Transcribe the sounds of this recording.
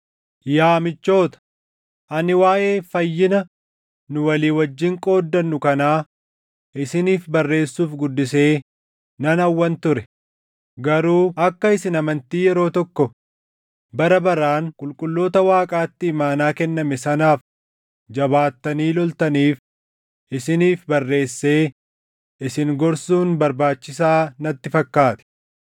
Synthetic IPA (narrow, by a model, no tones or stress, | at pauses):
jaːmɪt͡ʃːo̞ːt̪ɐ̥ | ʔɐnɪwaːʔe̞ːfɐjːɪnɐ | nʊwɐliːwɐd͡ʒːɪŋkʼo̞ːd̪ːɐnːʊkɐnaː | ʔɪsɪniːfbɐrːe̞ːsːuːfɡʊd̪ːɪse̞ː | nɐnɐwːɐnt̪ʊɾɛ | ɡɐɾuːʔɐkːɐɪsɪnɐmɐnt̪iːjɛɾo̞ːt̪ɔkːɔ | bɐɾɐbɐɾaːnkʼʊlkʼʊlːo̞ːt̪ɐwaːkʼaːt̪ːɪːmaːnaːkɛnːɐmɛsɐnaːf | d͡ʒɐbaːt̪ːɐniːlɔlt̪ɐniːf | ʔɪsɪniːfbɐrːe̞ːsːe̞ː | ʔɪsɪŋɡɔɾsuːnbɐɾbaːt͡ʃːɪsaːnɐt̪ːɪfɐkːaːt̪ɛ̥